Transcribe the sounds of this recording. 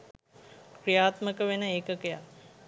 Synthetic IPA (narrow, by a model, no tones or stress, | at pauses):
krijaːt̪məkəʋenəeːkəkeja̰